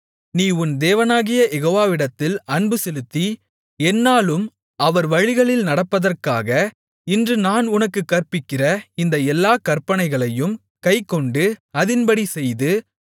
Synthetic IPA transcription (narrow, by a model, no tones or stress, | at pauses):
niːʊnd̪eːʋɐnaːɣɪjɐjɛɣoːʋaːʋɪɽɐt̪ːɪlɐɳbɯsɛlɯt̪ːi | ɛnːaːlɯm | ɐʋɐɾʋɐɻɪɣɐɭɪlnɐɽɐpːɐðɐrkaːɣɐ | ɪndrɯnaːnʊnɐkːɯkːɐɾpɪkːɪrɐɪnd̪ɐɛlːaːkɐrpːɐnɐɪɣɐɭɐjɯm | kɐɪkːɔɳɖɯɐðɪnpɐɽisɛjðɯ